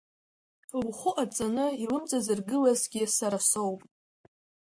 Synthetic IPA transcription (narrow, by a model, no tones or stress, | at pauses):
wχʷʊʔat͡sʼanɨilɨmt͡sʼazɨrɡɨlazɡʲisaɾasowpʼ